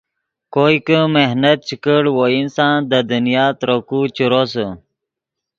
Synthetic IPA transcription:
koikəmehnət̪̚t͡ɕʰikəɽwoinsãːnd̪əd̪ənjaːt̪ɾokut͡ɕuɾosə

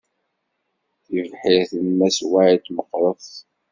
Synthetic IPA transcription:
θivħiθənmːæswaʕit̪ːməqːɾˤəθ

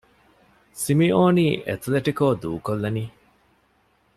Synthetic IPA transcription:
simioːniːʔḛt̪ʰleʈikoːd̪uːkolːɐniː

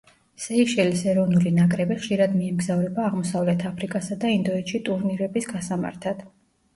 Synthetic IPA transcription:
sɛiʃɛlisɛɾɔvnulinakʼɾɛbiχʃiɾad̪miɛmɡzavɾɛbaːʁmɔsavlɛt̪ʰapʰɾikʼasad̪aind̪ɔɛt̪ʃit̪ʼuɾniɾɛbisɡasama̰ɾt̪ʰad̪̥

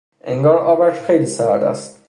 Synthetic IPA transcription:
ʔeŋɡɒːɾʔɒːbæʃxejliːsæd̪æ̰st̪̚

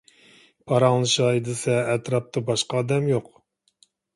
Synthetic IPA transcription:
pʰɑɾɑŋlˠɨʃɑjd̪ɨsɛːt̪ɾɑp̚t̪ʰɑbɑʃqɑːd̪ɛmjoq

